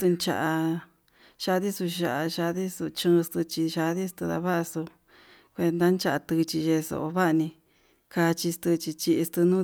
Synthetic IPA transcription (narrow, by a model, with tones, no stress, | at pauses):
t̪ɨ˧nt͡ʃa̰˧ʔa˧ | ʃa˧ði˦su˧a˧ʔa˧ʃa˧ði˦su˧t͡ʃɨ̃˧st̪ɨ˧t͡ʃi˧ʃa˧ði˦st̪ɨ˧ða̰˧βa˦ʔso˧ | kʷe˧nd̪a˦nt͡ʃa˧ʔa˧t̪ɨ˧t͡ʃi˧ʒe˧so̰˧ʔo˧βa˦ʔnĩ˧ | ka˧t͡ʃi˧st̪ɨ˧t͡ʃi˧t͡ʃi˧ʔi˧st̪ɨ˧nũ˦